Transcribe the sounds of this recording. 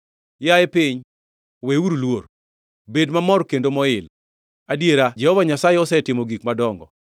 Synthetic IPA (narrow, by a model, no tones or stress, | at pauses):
jaɛpɪɲ | weuɾulwor | bedmamɔrkendomɔɪl | adjeɾad͡ʒɛhɔvaɲasajɛɔsɛtɪmoɡikmadɔŋɡɔ̰